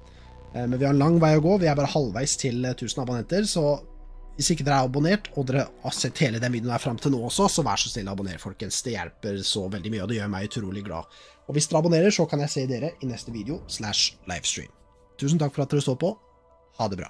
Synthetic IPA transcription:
mɛnʋɪhɑɾɛnlɑŋːʋæɪɔɡoːʋɪæɾbɑːɾəhɑlʋæɪst̪ʰɪlt̪ʰʉːsənɑbʊnɛnt̪əɾsɔ | ʋɪsɪkːəd̪ɛɾæɾɑbʊneːʈɔd̪ɛɾəsɛt̪ːheːləd̪ɛnʋiːd̪ənəæɾfɾɑmt̪ʰɪloːɔsːɔsɔʋæ̰ːʂɔsnɪlːɔɑbʊnḛːɾəfɔlkənsd̪ɛjæ̰lpəɾsɔʋɛld̪ɪmyːəɔd̪ɛjøːɾmæɪʉt̪ʰɾuːlɪɡlɑ̰ː | ɔʋɪsd̪ɛɾəɑbʊneːɾəʂɔkʰɑnjæɪseːd̪eːɾəʔɪnɛst̪əʋiːd̪ɛʊslæʂlɑ̰ɪfst̪ɹḭːm | t̪ʰʉːs̬n̩t̪ʰɑkfɔɾɑt̪̚d̪ɛɾʉst̪oːɾpɔ | hɑd̪ɛbɾɑ̰ː

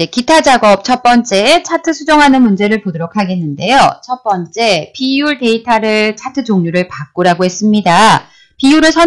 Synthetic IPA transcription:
d͡ʑe̞kitʰad͡ʑaɡʌp̚t͡ɕʰʌp͈ʌnt͡ɕ͈e̞t͡ɕʰatʰɯsʰud͡ʑoŋɦanɯnmund͡ʑe̞ɾɯɭpodoɾokʰaɡe̞nːɯnde̞jot͡ɕʰʌp͈ʌnt͡ɕ͈e̞piuɭte̞itʰaɾɯɭt͡ɕʰatʰɯd͡ʑoŋɲuɾɯɭpak͈oɾaɡoɦe̞s͈ɯmɲida | piuɾɯɭsʰʌ

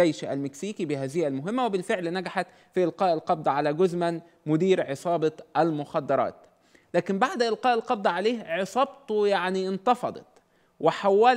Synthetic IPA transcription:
ejʃæ̰lmɪksiːkibɪhæːzɪjælmʊɦɪmːæwebɪlfeʕlnæɡaħat̪ | fiʔelqɑːʔɪlqɑb̚d̪ˤɑʕalæːɡʊzmæn | mʊd̪iːɾʕesˤɑːbɑʔælmʊxɑd̪ːɑɾˤɑ̰ːt̪ | læːkɪmbaʕd̪ʔɪlqɑːʔɪlqɑb̚d̪ˤɑʕaleːhʕesˤɑbt̪ojaʕnint̪ɑfɑd̪ˤɑ̰t̪ | wɪħawːæl

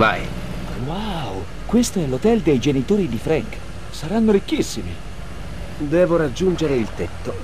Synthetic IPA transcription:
va̰j | waw | kwest̪oɛlot̪ɛld̪ejd͡ʒenit̪oːɾid̪ifɾɛŋk | saɾanːoɾikːisːimḭ | d̪ɛːvoɾad͡ʒːund͡ʒeɾeilt̪ɛt̪ːo

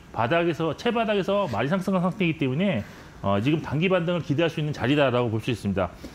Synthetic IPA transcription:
padaɡesʰʌt͡ɕʰe̞badaɡe̞sʰʌmaɾisʰaŋs͈ɯŋaɭsʰaŋtʰeɡit͈e̞mune̞ | ʌt͡ɕiɡɯmtaŋɡibandɯŋɯɭkide̞ɦaɭs͈uinːɯnt͡ɕaɾidaɾaɡopoɭs͈uis͈ɯmɲida̰

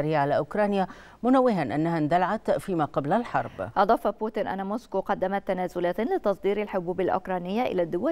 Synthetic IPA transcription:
ɾiːʕalaʔʊkɾˤɑːnja | mʊnawːɪɦanʔanːahand̪alaʕat̪fiːmaqɑblalħɑ̰ɾˤbʔɑd̪ˤɑːfɑbuːt̪ɪnʔa̰nːamoːskuːqɑd̪ːamat̪ːanæːzʊlæːt̪lɪt̪ɑsˤd̪iːɾalħʊbuːbalʔʊ̰kɾˤɑːnɪjːaʔɪ̰lad̪ːʊwa

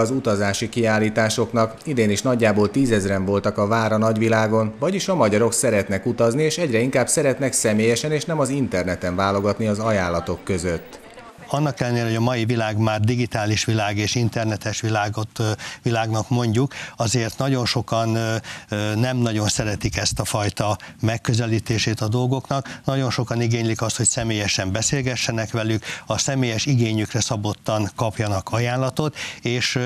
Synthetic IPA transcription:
ɒzut̪ɒzaːʃikiaːlːiːt̪aːʃo̞knɒkid̪eːniʃnɒɟːaːboːlt̪iːzɛzrɛɱvo̞lt̪ɒkɒvaːɾɒnɒɟʋilaːɡo̞nvɒɟiʃɒmɒɟɒɾo̞ksɛɾɛt̪nɛkut̪ɒznieːʃɛɟrɛiŋkaːbsɛɾɛt̪nɛksɛmeːjɛʃɛneːʃnɛmɒzint̪ɛrnɛt̪ɛɱvaːlo̞ɡɒt̪niɒzɒjaːlːɒt̪o̞kːø̞zø̞t̪ː | ɒnːɒkɛlːɛnːeːlɛɦoɒmɒjivilaːɡmaːrd̪iɡit̪aːliʃʋilaːɡeːʃint̪ɛrnɛt̪ɛʃʋilaːɡot̪ʋilaːɡnɒkmo̞ɲɟukɒzeːrt̪nɒɟo̞nʃo̞kɒn | nːɛmnɒɟo̞nsɛɾɛt̪ikɛst̪ɒfɒjt̪ɒmɛkːøzɛliːt̪eːʃeːt̪ɒd̪o̞lɡo̞knɒknɒɟo̞nʃo̞kɒniɡeːɲlikɒst̪ho̞csɛmeːjɛʃɛmbɛseːlɡɛʃːɛnɛkʋɛlykɒsɛmeːjɛʃiɡeːɲykrɛsɒbo̞t̪ːɒŋkɒpjɒnɒkɒjaːnlːɒt̪o̞t̪eːʃ

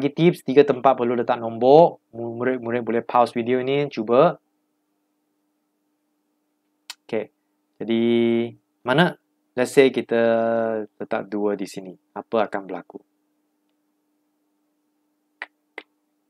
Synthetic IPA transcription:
aɡit̪ip̚st̪iɡət̪əmpat̪̚pərlulət̪aʔ̚nɔ̃mbɔʔmumuɾɪt̪̚muɾɪt̪̚bolɛhpʰawswidioinit͡ʃubə | oke | d͡ʒadi | manə | lɛt̪̚sekit̪ə | t̪ət̪a̰p̚duədisini | apəakanbəla̰ku

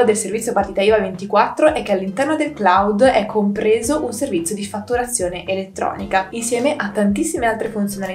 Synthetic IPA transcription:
d̪elservit̪sʲːjopart̪it̪ajovavent̪ikwat̪ːɾoʔɛkːealːint̪ɛrnod̪elklawd̪ɛkʰːompɾeːzoʔunservit̪sːjod̪ifat̪ːuɾat̪sːjoːneʔelet̪ːɾɔ̰ːnikainsjɛːmeʔat̪ːant̪isːimealt̪ɾefunt̪sjonali

